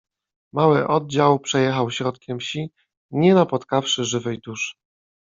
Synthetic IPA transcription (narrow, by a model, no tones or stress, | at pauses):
mawɘʔɔd̪̚d͡ʑawpʂɛjɛxawɕɾɔt̪kʲɛmɕi | ɲɛnapɔt̪kafʂɘʐɘvɛjd̪uʂ